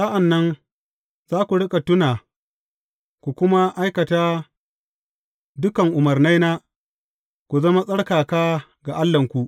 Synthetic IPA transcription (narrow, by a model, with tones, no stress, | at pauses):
sa˦ʔa˨nːɐ˦ŋ | zaː˦kʷu˨ɽɪ˦kʼa˨tʊ˦naː˨ | kʷu˨kʷʊ˦ma˦ʔa˦jkɐ˨taː˦ | dʊ˦kɐ˨ŋʔʊ˨mɐ˨rna˦jnaː˦ | kʷu˨zɐ˦ma˦sʼɐ˦ɽkaː˨kaː˦ | ɡa˨ʔa˦lːɐ˨ŋkʷu˨ʔ